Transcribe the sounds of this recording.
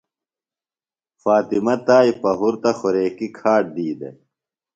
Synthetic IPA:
faːt̪imɐt̪aːipɐɦuɾt̪ɐxuɾeːkikʰaːʈ̚d̪iːd̪ḛ

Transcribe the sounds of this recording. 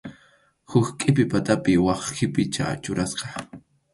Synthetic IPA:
hʊxkʼɪp̬ɪpat̪apɪwɑχxɪpɪt͡ʃa̰t͡ʃʊɾasqɑ̥

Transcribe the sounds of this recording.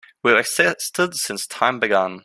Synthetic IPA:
wivɨksɛstədsɪ̃nstʰãɪ̃mbɨɡə̃n

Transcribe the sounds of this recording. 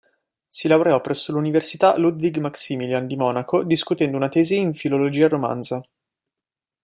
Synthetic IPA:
silawɾeɔpːɾʔɛsːoluniversit̪alud̪viɡmaksimiland̪imɔːnakod̪iskut̪ɛnd̪ounat̪ɛːziːɱfilolod͡ʒiːaɾoma̰nza

